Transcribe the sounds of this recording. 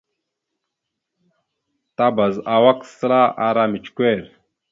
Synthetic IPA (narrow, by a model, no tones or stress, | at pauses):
t̪abɐzawɐkslaːʔaɾaːmit͡ɕkueːɾ